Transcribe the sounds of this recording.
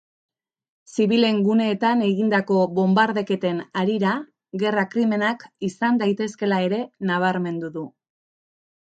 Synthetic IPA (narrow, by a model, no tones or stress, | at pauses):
siβile̞ŋɡune̞ːt̪ane̞ɣind̪ako̞βo̞mbaɾðe̞ke̞t̪e̞naɾiɾa | ɣe̞rakɾime̞nakisand̪ajt̪e̞ske̞lae̞ɾe̞naβ̞aɾme̞nd̪uðu